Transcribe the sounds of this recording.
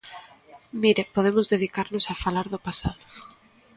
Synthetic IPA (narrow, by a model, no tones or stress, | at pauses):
miɾepoð̞emʊzðeð̞ikaɾnʊsafalaɾðʊpasaðʊ